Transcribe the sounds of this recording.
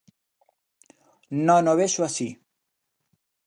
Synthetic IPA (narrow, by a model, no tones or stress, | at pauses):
nonoβeʃwasi